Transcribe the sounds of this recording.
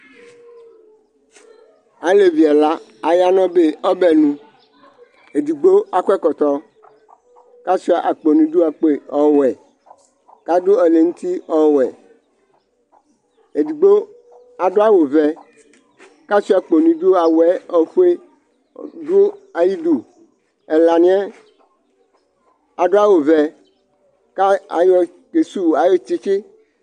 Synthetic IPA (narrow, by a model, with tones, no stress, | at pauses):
a˨le˨vi˨a˨la˦ | a˨ja˦nɔ̃˦be˦ɔ˦bɛ˨nũ˦ | e˨d̪i˨ɡ͡bo˦a˨kɛ˦kɔ˨t̪ɔ˦ | ka˦si˦a˨ʔa˨k͡po˨nũ˨˦do˦a˨k͡pe˨ɔ˦wɛ˨ | ka˦do˦ɛ˨le˨ŋũ˦t̪i˦ɔ˦wɛ˨ | e˨di˨ɡ͡bo˦ | a˨ɖo˦a˦wo˨vɛ˨ | ka˦si˦a˨k͡po˨nũ˨do˦a˨wɛ˦ɔ˨ɸu˦e˦ | do˦a˨ji˦du˨ | ɛ˨la˨nĩ˦ɛ˦ | a˨ɖo˦a˦wo˨vɛ˨ | ka˦a˨jɔ˦ | ke˨su˦wa˨jo˦t͡ʃi˦t͡ʃi˦